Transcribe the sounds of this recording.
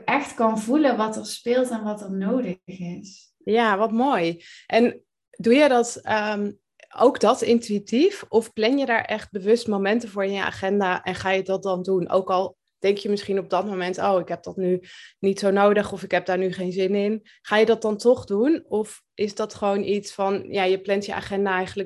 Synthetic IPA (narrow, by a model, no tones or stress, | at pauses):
ɛxtkɑnvuləʋɑtərspɪːlˠtɛnʋɑtəɹnowdəxɪs | jaːʋɑtmoːjʔɛn | dujədɑtəm | o̰wɡdɑtɪntyitifɔfplɛnjədaːɹʔɛχt̚bəʋɵstmomɛntəvʊːɹɪnjəa̰ːχɛndaːʔɛnχaːjədɑt̚dɑndunʔo̰wkɑlˠ | d̥ɛŋkjəmɪsχinɔb̚dɑtmomɛntowɪkɦɛp̚dɑtnynitsownowdəχɔfɪkɦɛp̚daːɹnyχejnzɪnɪn | χaːjədɑt̚dɑntɔχdunɔf | ʔɪzdɑtχəʋownʔitsfɑnjaːjəplɛntjəʔa̰ːχɛndaːɛjχənlə